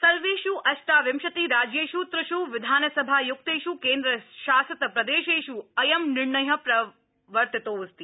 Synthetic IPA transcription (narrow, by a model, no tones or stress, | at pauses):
sɐɾʋeːʃuʔɐʃʈaːʋɪmʃɐt̪iɾaːd͡ʒjeːʃut̪ɾɐʃuʋɪd̪ʱaːnɐsɐbʱajʊk̚t̪eːʃuːkeːnd̪ɾɐʃaːsɐt̪ɐpɾɐd̪eːʃeːʃuɐjɐmnɪɾɳɐjɐpɾɐ | ʋɐɾt̪it̪oːst̪i